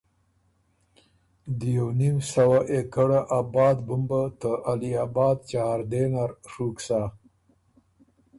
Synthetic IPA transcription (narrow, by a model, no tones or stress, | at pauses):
d̪əjawnimsawaʔekəɽaʔabɑːd̪bumbat̪əʔaliaːbɑːd̪̚t͡ʃahaɾd̪enaɾʂuksa